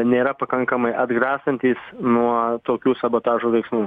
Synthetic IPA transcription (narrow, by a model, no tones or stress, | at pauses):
nʲeːɾɐpɐkɐŋkɐmɐɪʔɐd̪ɡɾɑːst̪ɐnʲt̪ʲiːsnuɔt̪oːkʲuːsɐboːt̪ɑːʒuːlɐɪksmuː